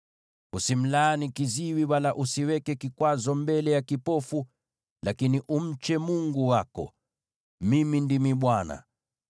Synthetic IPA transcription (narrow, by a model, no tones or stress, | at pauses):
usim̩laːnikiziwiwalaʔusiwɛkɛkikwazɔmbɛlɛjakipɔfu | lakiniʔum̩t͡ʃɛmuŋɡuwakɔ̰ | mimindimiɓwana̰